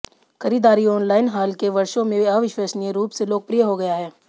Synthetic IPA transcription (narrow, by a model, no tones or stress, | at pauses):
xɐɾiːd̪aːɾiɔːnlaːɪnɦaːlkeʋɐɾʃõmẽɐʋɪʃweːsnijeɾuːpseloːɡ̚pɾijəɦoɡɐjaɦɛː